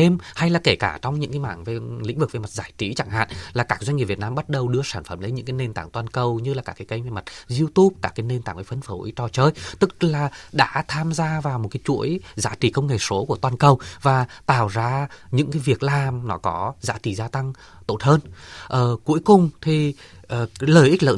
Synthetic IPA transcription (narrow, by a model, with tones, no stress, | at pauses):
e˧mha˧jlaː˨˩ke˧˩kaː˧˩t͡ɕɔ˧wŋ͡mɲɨ̰˧˥ŋkaː˨˦jma̰ː˧˨ŋve˨˩lḭ˧˥ŋ̟vɨ˨˩k̚e˨˩ma˨˩t̚zaː˧˩jt͡ɕi˨˦t͡ɕa˧˩ŋha̰ː˧˨nlaː˨˩kaː˦˥k̚zwɲŋɲi˨˩pvt̚naː˧mɓa˦˥t̚ɗə˨˩wɗɨ˧əsaː˧˩nfə˧˩mlə˨˦jɲɨ̰˧˥kaː˨˦ne˧nt̪aː˧˩ŋt̪waː˧nkə˨˩wɲɨ˧laː˨˩kaː˧˩ka˨˦kə˧jmve˨˩ma˨˩t̚zi˧əwt̪u˦˥p̚kaː˧˩kaː˨˦jne˧nt̪aː˧˩ŋvə˨˦fə˧nfo˨˦jt͡ɕɔ˧˩t͡ɕəː˧jt̪ɨ˦˥k̚laː˨˩ɗa̰ː˧˥t̪ʰaː˧mzaː˧vaː˨˩wmo˨˩t̚kaː˨˦jt͡ɕṵ˧˥əjza̰ː˧˥t͡ɕi˨˩kə˧wŋ͡mŋe˨˩so˨˦ku˧˩ət̪waː˧nkə˨˧˩wvaː˨˩t̪aː˧˩wzaː˧ɲɨ̰˧˥ŋkaː˨˦jvi˨˩ək̚laː˨˩mnɔ˨˦kɔ˨˦za̰ː˧˥t͡ɕi˧˨˩zaː˧t̪a˧ŋ | t̪o˧˩t̚həː˧nʔəː˨˩ku˨˦əjkʊ˨˩ŋ͡mt̪ʰi˨˩ | ʔəː˨˩ləː˨˩jʔi̟˦˥lə̰ː˧˨